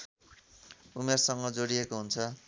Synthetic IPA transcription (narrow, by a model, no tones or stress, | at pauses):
umersʌŋɡʌd͡zoɽiekoɦunt͡sʰʌ